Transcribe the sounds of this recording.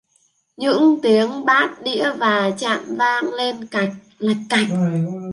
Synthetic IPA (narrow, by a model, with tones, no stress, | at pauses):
ɲɨ̰˧˥ŋt̪i˨˦əŋɓaː˦˥t̚ɗḭ˧˥əvaː˨˩t͡ɕa̰ː˧˨mvaː˧ŋle˧nka˨˩jk̚la˨˩k̚kːa˨˩jk̚